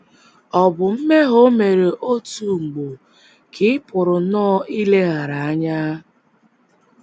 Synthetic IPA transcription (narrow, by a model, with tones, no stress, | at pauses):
ɔ˨bʊ˨m̩˦me˦ɦo˦me˨ɾe˨ʔo˦tu˦˨ŋ͡m̩˨ɡ͡bo˨ | kʰɪ˦ɪ˦pʊ˨ɾʊ˨nɔː˦i˦le˦ɣa˨ɾa˨a˦ɲa˦